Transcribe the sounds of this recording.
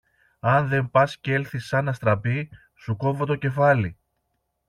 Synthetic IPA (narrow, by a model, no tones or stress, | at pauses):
ɐnðe̞mpɐsce̞lθisːɐnɐst̪ɾɐpi | suko̞vot̪o̞ce̞fɐli